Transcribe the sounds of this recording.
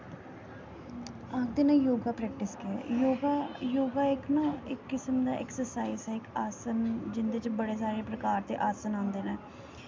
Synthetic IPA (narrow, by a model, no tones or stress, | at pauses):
aːk̚d̪eːnãːjoːɡaːpɾɛːk̚ʈɪskeɛ̰joːɡajoːɡaːɪknãːɪkːɪsəmd̪a̰ːʔɛ̰ːksəɾsaːizɛːɪkaːsənd͡ʒɪnd̪et͡ʃbəɽeːs̬aːɾeːpɾəkaːɾt̪eːʔaːsənãːnd̪eːnɛː